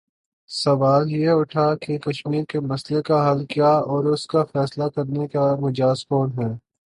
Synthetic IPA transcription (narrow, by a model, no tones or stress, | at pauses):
sɐʋaːljeʊʈʰakekɐʃmiːɾkemɐslekaɦɐlkijaɔːɾʊskafɛːslakɐɾnekamʊd͡ʒaːsfoːnɦɛː